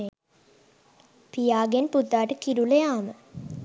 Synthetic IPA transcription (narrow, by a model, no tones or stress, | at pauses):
e | pijaːɡenpud̪ːaːʈəkiɾuləjaːmə